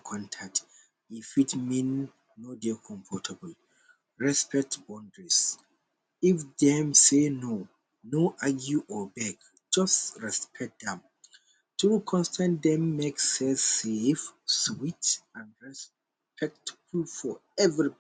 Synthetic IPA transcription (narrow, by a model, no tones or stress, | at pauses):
kʰɔ̃ntʰak̚t | ifitmĩnː | ɔdɛkʰɔ̃mfɔtʰabəl | ɹɛspʰɛk̚tbɔ̃ndɹis | ifdɛ̃mseno | noʔaɡjuʔɔbɛɡ | d͡ʒʌstɹɛspʰɛk̚t̚dɛ̃m | tʰukʰɔ̃nstʰãndɛ̃mːeksɛsefswitãnɹɛs | pʰɛk̚tpʰɹuffɔ | ɛvɹi